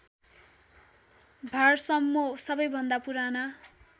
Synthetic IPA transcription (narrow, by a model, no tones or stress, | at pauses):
bʱʌrsʌmːosʌbʌjbʱʌnd̪apuɾanʌ